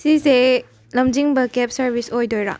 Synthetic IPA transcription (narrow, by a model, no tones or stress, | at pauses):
sise | lɐmd͡ʒiŋbɐkɛp̚sɐɾbisojdojɾa̰